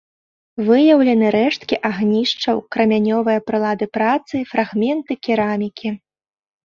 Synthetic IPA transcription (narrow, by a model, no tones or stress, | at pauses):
vɨjɐwlʲɐnɨɾɛʂt̪kʲiʔaɣnʲiʂt͡ʂɐwkɾɐmʲanʲɔvɨjɐpɾɨlˠad̪ɨpɾat̪sɨfɾaɣmʲɛnt̪ɨkʲiɾamʲikʲi